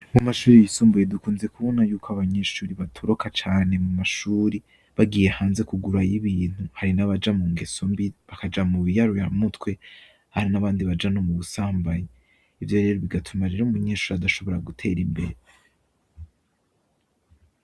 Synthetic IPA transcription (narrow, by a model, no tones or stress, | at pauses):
mumaʃuːɾijisuːmbuje̞dukuːnze̞kuβonajuːkoaβaɲe̞ʃuːɾiβatʰoɾokʰat͡ʃaːne̞mumaʃuːɾi | βaɡiːjehaːnze̞kuɡuɾajiβiːn̥huhaɾinaβad͡ʒamuːŋɡe̞sombiβakad͡ʒamuβijaɾojamutwe̞ | haɾinaβaːndiβad͡ʒano̞muβusaːmbaje | ivjo̞ɾe̞ːɾo̞βiɡatʰumaɾe̞ɾoumuɲe̞ːʃuːɾiadaʃo̞βo̞ɾaɡutʰe̞ːɾimbe̞̰ɾe